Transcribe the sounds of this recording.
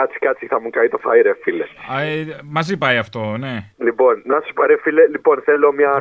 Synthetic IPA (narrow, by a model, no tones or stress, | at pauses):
ɐt͡si̥kɐt͡siθɐmukɐjt̪ofɐjɾefileɐmɐzipɐjɐft̪o̞ne̞lipo̞nːɐsuspɐɾefilelipo̞nθelo̞mɲɐ